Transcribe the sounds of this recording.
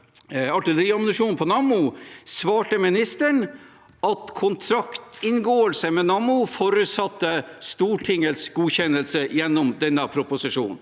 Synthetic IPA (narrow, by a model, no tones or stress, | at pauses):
ɑʈɪləɾiːɑmnəʂuːnpʰɔnɑmʊsʋɑːʈəmɪnɪst̪əɳ | ɑt̪kʰʊnt̪ʰɾɑkt̪ʰɪnɡoːəlsəmɛnɑmʊfɔɾʉt̪sɑt̪ːəst̪uːʈʰɪŋəlsɡuːçɛnːəlsəjɛnːɔmd̪ɛnːəpʰɾʊpʊsɪʂṵːnn